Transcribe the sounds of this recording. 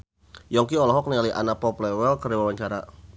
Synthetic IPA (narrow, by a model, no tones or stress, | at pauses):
jɔŋkiɔlɔɦɔk̚nialiʔanapɔplɛwɛlkəɾiwawaɲt͡ʃaɾa